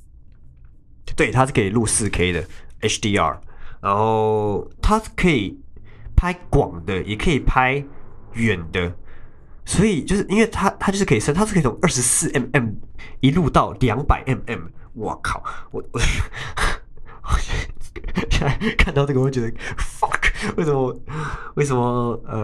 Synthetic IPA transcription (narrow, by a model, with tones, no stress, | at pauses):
t̪we˥˩ɪt̪ʰa˥ʂ̩˥˩kʰi˨˩lu˥˧sɹ̩˥˨kʰe˥i˨˩d̪ə̰˩ɛ˥t͡ʃd̪i˧˥ɑ̰˥˨˩na˧˦nxo˥˧˩ʊt̪ʰa˥kʰə˧˦˥i˨˩pʰa˥ɪkwɑ̰˨˩ŋd̪ə˦jʔɛ˨˩kʰə˧˥i˨˩pʰa˦ɪɥɛ˨˩nd̪ə˦ | swɔ˧˥i˨˩t͡ɕjo˥˧ʊʂɻ̩˥˩ʔi˥nwe˥˩ɪt̪ʰa˥t̪ʰa˥t͡ɕo˥˧ʂ̩˥˩kʰə˥˨˩sə˥˧nt̪ʰa˥˧˥t̪ʰʊ˥˧˦ʔə˞˥˩ʂ̩˧˥˦sɹ̩˥˧˨ʔɛ˥˩mɛ˥˩mi˧˥lu˥˧t̪ɑ˥˩ʊljɑ˧˥ŋpa̰˨˩ɪʔɛ˥˩mɛ˥˩m | wɔ̰˨˩kʰɑ̰˨˩˦ʊ˨˧˩ | ɕkʰa˥˧nt̪ɑ˥˧ʊʈ͡ʂə˥˩˧t͡ɕɛ˧˥d̪ə˧fɑ˥˨˩kwe˥˩ɪsə˧˦mə˧we˥˩ɪs̬ə˧nmə˧ə˧˩